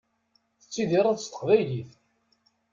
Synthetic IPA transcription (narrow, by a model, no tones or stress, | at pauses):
θət͡sːiðiɾˤæðəst̪ə̥qvæjliθ